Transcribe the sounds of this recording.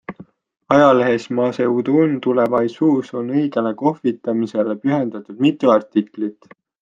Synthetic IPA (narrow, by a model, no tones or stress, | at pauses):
ɑjɑle̞ɦe̞smɑːse̞ud̪unt̪ulevɑjsuːso̞nɤjɡe̞neko̞hvit̪ːˑɑmise̞le̞pyɦe̞nd̪̥ɑt̪ˑud̪̥mit̪ːˑuɑrt̪iklit̪ːˑ